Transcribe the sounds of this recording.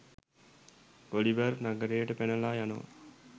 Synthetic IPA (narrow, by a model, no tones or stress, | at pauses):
ɡ̥oliʋərnaɡəɾejəʈəpenəlaːjanoʋɐ̰